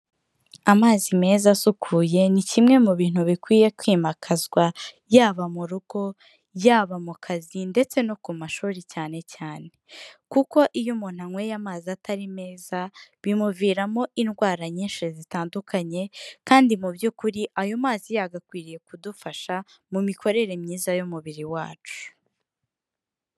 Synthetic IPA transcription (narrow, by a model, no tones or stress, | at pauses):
amaːzime̞ːzasukʰuːje̞nicimŋe̞muβiːn̥huβikwiːje̞kwiːmakʰazɡwa | jaːβamuɾuɡ̥o̞ | jaːβamukʰazinde̞t͡se̞no̞kumaʃuːɾicaːne̞caːne̞̥kuko̞ʔijumuːn̥haŋwe̞jamaːziataɾime̞ːzaβimuviːɾamo̞ʔinɡwaːɾaɲiːnʃizitaːndukʰaɲe̞kaːndimubjuːkuɾiʔajo̞maːzijaɡakwiːɾije̞kudufaʃa | mumikʰo̞ɾe̞ɾe̞mɲiːzajumuβiɾiwa̰ːt͡ʃu̥